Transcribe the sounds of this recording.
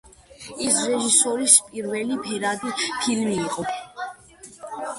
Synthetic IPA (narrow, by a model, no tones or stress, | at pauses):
isɾɛʒisɔɾispʼiɾvɛlipʰɛɾad̪ipʰilmiːqʼɔ